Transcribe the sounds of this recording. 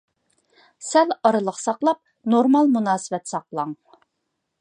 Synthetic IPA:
sɛlɑɾɨlˠəqsɑqlˠɑp̚ | noɾmɑlˠmunɑːsəvɛt̪sɑqlˠɑŋ

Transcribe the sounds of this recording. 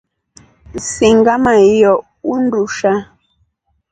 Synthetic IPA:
siŋɡamajɔʔ | unduʃa

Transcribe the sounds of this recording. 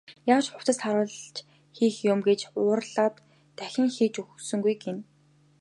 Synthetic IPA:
jaːwt͡ɕχʊw̥t̪ə̆st̪ʰaɾʊ̆ːɮt͡ɕ | xiːxjʊmɡet͡ɕʊːrɮaːt̪ː | æxʲɪ̆ŋxiːt͡ɕuxsɵ̆ŋɡujɡen

